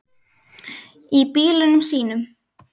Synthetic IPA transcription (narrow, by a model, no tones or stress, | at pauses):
ipiːlʏnʏmsiːnʏm